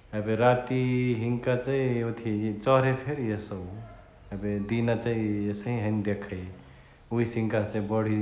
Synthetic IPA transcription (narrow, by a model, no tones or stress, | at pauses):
ebeɾat̪iɦiŋkat͡ʃaĩot̪ʰit͡ʃʌɦɾepʰeɾjesə | əbed̪inat͡ʃaĩjesəɦĩɦənd̪ekʰəj | uisiŋkasẽbəɽ̤i